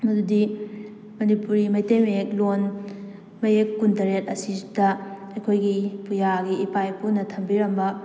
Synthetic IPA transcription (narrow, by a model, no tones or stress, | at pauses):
mɐdudi | mɐnipuɾimɐjtejmeeklon | mɐjekːuntɐɾet̚ɐsidɐɐjkʰojɡipujaɡiːpajpunɐtʰɐmbiɾɐmbɐ